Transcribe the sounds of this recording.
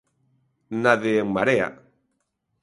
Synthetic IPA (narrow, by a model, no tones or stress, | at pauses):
naðeeŋmaɾea̰